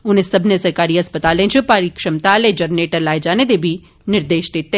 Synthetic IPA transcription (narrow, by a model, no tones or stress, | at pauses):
ʊn̤ẽsɐbʱnesɐɾkaːɾiɦɐspət̪aːlẽt͡ʃʊpaːɾikʃɐmt̪aːlẽd͡ʒɐɾneːʈəɾlaːed͡ʒaːned̪ebʱi | nɪɾd̪eːʃd̪et̪e